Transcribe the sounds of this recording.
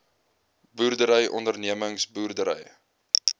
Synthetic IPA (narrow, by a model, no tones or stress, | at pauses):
buːrdəɾəjʔɔ̰ndərniəməŋsbuːrdəɾə̰j